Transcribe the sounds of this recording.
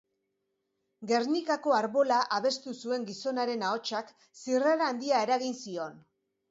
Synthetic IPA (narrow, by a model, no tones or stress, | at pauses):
ɡe̞rnikako̞aɾβo̞laʔaβe̞st̪usue̞ŋɡiso̞naɾe̞naot͡ʃak | siraɾaːnd̪iae̞ɾaɣinsio̞n